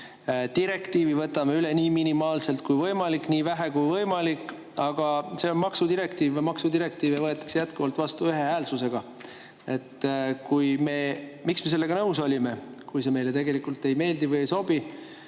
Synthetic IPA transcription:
t̪iɾe̞kt̪iːvivɤt̪ːˑɑme̞yle̞niːminimɑːlse̞lt̪̚kujvɤjmɑlikːˑniːvæɦe̞kujvɤjmɑlikˑː | ɑɡ̥ɑse̞onmɑksud̪iɾe̞kt̪iːvmɑksud̪iɾe̞kt̪iːvjɑvɤet̪ːˑɑ̥ksjæt̪kuvɑlt̪ˑvɑst̪uyɦe̞æːlsuse̞ɡ̥ɑ | e̞t̪ːkujme̞miksme̞se̞lːe̞ɡ̥ɑnɤwso̞lʲime̞ | kujse̞me̞jlet̪e̞ɡ̥e̞likult̪ːe̞jme̞ːld̪ivɯjejso̞b̥i

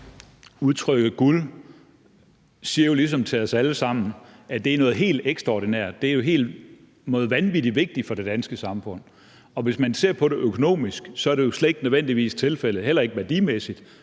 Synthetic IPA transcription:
uð̞ˠt͡sʰʁœɡ̥ð̩ˠɡ̥ul | siːɐjo̝lis̬ɒ̽mt͡sʰe̝ɒsæləsɑ̈m̰n̩æd̥e̝æɐnɔ̽ːð̩ˠɦe̝̰ːld̥eɡ̥sd̥ʁɑɒːd̥inæɐ̰d̥ːe̝æɐjo̝ɦe̝̰ːld̥ | nɔ̽ːð̩ˠʋænʋid̥iʋe̝ɡ̥̚d̥ifɒ̽ɾ̥e̝d̥ænsɡ̥əsɑ̈mfɔ̽n̰ | ɒ̽ʋe̝smænse̝ɐ̰pʰɒ̽ɾe̝ʔøkʰo̝no̝̰ːmisɡ̥sɒ̽æɐɾe̝jo̝sleɡ̥nəðˠen̰d̥iʋḭːst͡sʰe̝lfel̰ð̩ˠɦel̰ɐe̝ɡ̥əʋæɐd̥imesid̥

